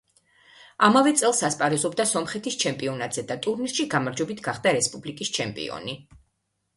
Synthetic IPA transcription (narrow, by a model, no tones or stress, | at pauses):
amavɛt̪sʼɛlˠsaspʼaɾɛzɔbd̪asɔmχɛt̪ʰist͡ʃʰɛmpʼiɔnat̪ʰʼz̥ɛd̪at̪ʼuɾniɾʃiɡamaɾd͡ʒwɛbit̪ʰɡaχd̪aɾɛspʼublikʼist͡ʃʰɛmpʼḭɔ̰ni